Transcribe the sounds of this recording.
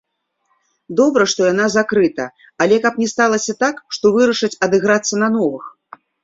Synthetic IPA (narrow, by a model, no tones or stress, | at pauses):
d̪ɔbɾɐʂt̪ɔjan̪azakɾɨt̪ɐ | alʲɛkapnʲɛst̪alˠɐsʲɐt̪akʂt̪ɔvɨɾɐʂɨt͡sʲɐd̪ɨɣɾat̪sːɐnɐnɔvɨx